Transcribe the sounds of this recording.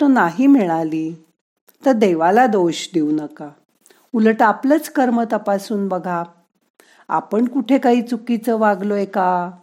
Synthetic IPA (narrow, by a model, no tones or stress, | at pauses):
t̪ənaɦiːmiɭaliː | t̪əɾd̪eʋalad̪oɕd̪eunəka | uləʈaplət͡skəɾmət̪əpasuːnbəɡʱa | a̰pəɳkuʈʰekaɦiːt͡sukit͡səʋaɡloeka